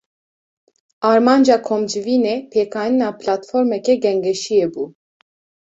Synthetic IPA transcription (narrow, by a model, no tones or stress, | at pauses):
ɑɾmɑnd͡ʒɑkʰomd͡ʒɨvinɛpʰɛkʰɑjninapʰlat̪foɾmɛkɛɡɛŋɡɛʃijɛbu